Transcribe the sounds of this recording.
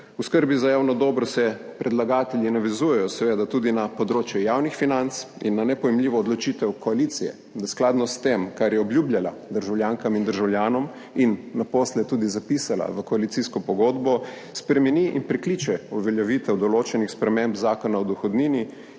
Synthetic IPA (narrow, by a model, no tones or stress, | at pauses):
uskəɾbizajaːwnɔd̪ɔːbɾɔsɛpɾʔɛd̪laɡaːt̪ɛljinaʋɛzujɛjɔsɛʋeːd̪at̪uːd̪inapɔd̪ɾoːt͡ʃjɛjawnixfinant̪s | ḭnːanɛpɔjɛmliːʋɔːd̪lɔt͡ʃit̪ɛwkɔalit̪sijɛ̰ | d̪asklaːd̪nɔst̪emkaɾjɛɔbljubljala̰d̪əɾʒawljaːŋkamind̪əɾʒawljaːnɔm | inːaposlɛt̪uːd̪izapiːsala̰ʋəkɔalit̪siskɔpɔɡoːd̪bɔ | spɾɛmɛniʔḭnpɾɛkliːt͡ʃɛuʋɛljɛʋiːt̪ɛwd̪ɔloːt͡ʃɛnixspɾɛmembzaːkɔnaɔd̪ɔxɔd̪niːni